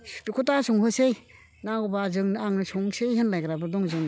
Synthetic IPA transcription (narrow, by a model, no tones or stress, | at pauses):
dikʰotasɔŋɦɯsej | naɡubazɯŋnaŋnɯsʰɔŋsejhenlajɡɾabɯdɔŋzɯŋn